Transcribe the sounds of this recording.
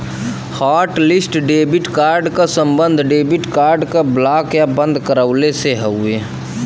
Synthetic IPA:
haːʈlɪsʈɖeːbɪʈkaːɾɖkasəmbənd̪ʱɖeːbɪʈkaːɾɖkablaːkjabə̃nd̪ʱkəɾəʊleseɦəueː

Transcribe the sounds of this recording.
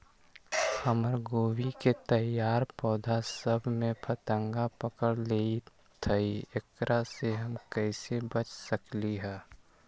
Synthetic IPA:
həməɾɡoːwiket̪əjaːɾpɔːd̪ʱasəbʱmẽpʰɐt̪ə̃ŋɡapəkəɽleːi | t̪ʰəiek̚ɾʔaseɦɐmkɛɪsebət͡ʃʰsəkliɦɛː

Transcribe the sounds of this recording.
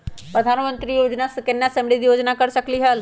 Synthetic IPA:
pɾəd̪ʱaːnmə̃nt̪ɾiːjoːd͡ʒnaskɪnːeəsɛ̃mbliːd̪iːjoːd͡ʒnaːkəɾsəkliːɦəl

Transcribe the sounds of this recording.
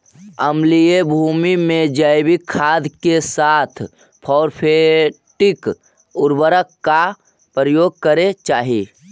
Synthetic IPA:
əmliebʱumimẽd͡ʒəjbikʰːad̪ʱkesat̪ʰ | pʰɔːɾpʰe | ʈik | ʊɾbəɾəkːa | pɾəjoːɡ̚kəɾet͡ʃaːɦi

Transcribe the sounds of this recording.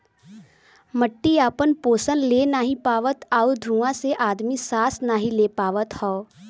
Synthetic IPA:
məʈːiaːpənpoːsənleːnaːɦĩpaːʋət̪aud̪ʱɾuːãseʔaːd̪misaːsnaːɦĩleːpaːʋət̪hɔː

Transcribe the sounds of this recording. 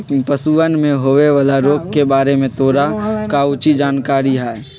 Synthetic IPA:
pəsuənmẽɦoːʋeʋaːlaɾoːɡ̚kebaːɾemẽt̪oːɾakaʊt͡ʃid͡ʒaːnkaːɾiɦɛːe

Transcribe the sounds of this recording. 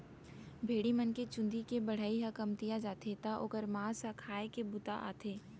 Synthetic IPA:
bʱeːɽimɐnket͡ʃʊ̃nd̪ʱikebɐɽ̤aːiɦɐkɐmt̪ijad͡ʒaːt̪ʰet̪aʔoːkəɾmãːsakʰaːekebʊt̪a̰ʔa̰ːt̪ʰeː

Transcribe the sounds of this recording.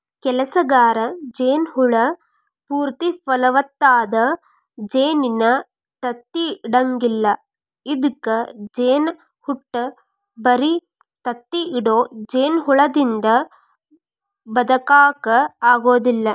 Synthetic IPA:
kɛlɐsɐɡaːɾɐd͡ʒeːnɦuɭɐ | puːɾt̪ipɐlɐʋɐt̪ːaːd̪ɐ | d͡ʒeːninɐ | t̪ɐt̪ːiːɽɐŋɡilːɐ | id̪ukːɐd͡ʒeːn | huʈːɐ | bɐɾi | t̪ɐt̪ːiːɽoːd͡ʒeːnɦuɭɐd̪ind̪ɐ | bɐd̪ɐkaːkɐaːɡoːd̪ilːɐ

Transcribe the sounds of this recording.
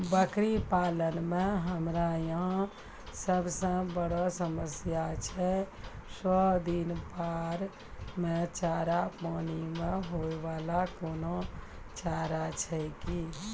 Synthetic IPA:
bəkɾipaːlənmẽɦəmɾajəɦã | səbsə̃bəɽɔsəməsjat͡ʃʰɛ | sɔd̪inpaːɾ | mẽt͡ʃaːɾapaːnimẽɦoeʋaːlakoːno | t͡ʃaːɾat͡ʃʰɛki

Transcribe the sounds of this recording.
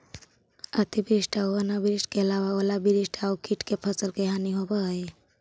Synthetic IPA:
ət̪ʰibɾisʈaoanabɪɾiʃʈkeɐlaʋaolabiɾisʈʰaukiʈkepʰəsəlkeɦaniɦobae

